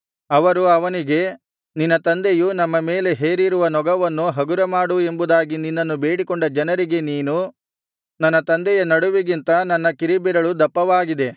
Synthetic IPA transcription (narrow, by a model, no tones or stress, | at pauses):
ɐʋɐɾuɐʋɐniɡe̞ | ninːɐt̪ɐnd̪ejunɐmːɐme̞ːle̞ɦe̞ːɾiɾuʋɐnɔɡɐʋɐnːuɦɐɡuɾɐmaːɽue̞mbud̪aːɡininːɐnːube̞ːɽikɔɳɖɐd͡ʒɐnɐɾiɡe̞niːnu | nɐnːɐt̪ɐnd̪ɛjɐnɐɽuʋiɡint̪ɐnɐnːɐkiɾibiɾɐɭud̪ɐpːɐʋaːɡid̪e̞